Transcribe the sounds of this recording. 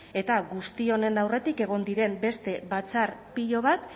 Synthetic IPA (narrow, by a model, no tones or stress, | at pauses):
e̞t̪aɣust̪io̞ne̞nawre̞t̪ike̞ɣ̞o̞nd̪iɾe̞mbe̞st̪e̞βat͡saɾpiʎo̞β̞at̪